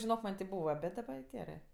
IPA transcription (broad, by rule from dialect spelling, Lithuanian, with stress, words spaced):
ʒʲɪnoːk mɐnʲ tʲɪ ˈbuːʋɐ ˈbʲɛt dɐˈbɐ joː ˈɡʲæːrɜ